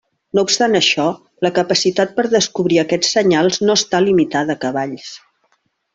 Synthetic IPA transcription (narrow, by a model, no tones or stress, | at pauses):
noupst̪anəʃɔ | ləkəpəsit̪at̪̚pəɾðəskuβɾiəkɛt͡sːəɲalˠznoəst̪alimit̪aðəːkəβaʎs